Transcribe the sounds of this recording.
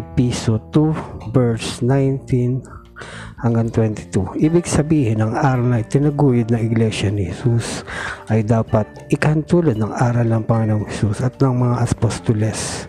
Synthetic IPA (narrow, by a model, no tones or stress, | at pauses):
pisot̪ubɛɹsnajnt̪in | hɐŋɡaŋt̪wɛnt̪ɪ̥t̪uʔiːbɪɡsɐbiːhɪnɐŋaːɾɐwnɐʔɪt̪ɪnɐɡuːjʊd̪̚nɐŋɪɡlɛʃɐnɪhɛsusʔɐjd̪aːpɐt̪̚ʔɪkɐhɐnt̪uːlɐd̪̚nɐŋʔaːɾɐlnɐŋpɐŋɪnoŋhɛsusɐt̪̚nɐŋmɐŋaʔɐspost̪olɛs